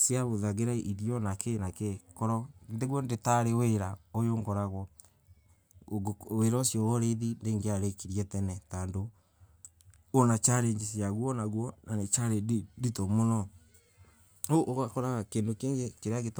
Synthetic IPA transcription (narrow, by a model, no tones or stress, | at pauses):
siaβoðaɣeɾaʔiɾijɔnakenakekɔɾɔndeɣwɔndetaɾeweɾaojoːŋɡɔɾaɣwɔ | weɾɔsjɔɾɔɾeðindeːŋɡeaɾekiɾjɛtɛnɛtando | nat͡ʃaɾeɲd͡ʒesiaɣwɔnaɣwɔnanet͡ʃaɾeditɔmonɔ | oʔoɣakɔɾaɣakendokeŋɡekeɾeaɣet